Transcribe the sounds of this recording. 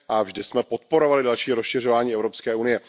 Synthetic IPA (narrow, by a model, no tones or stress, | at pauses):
ʔavʒdɪsmɛpo̞t̪̚po̞ɾo̞valɪdalʃiːɾosʃɪr̝o̞vaːɲiːɛvɾo̞pskɛːʔunɪjɛ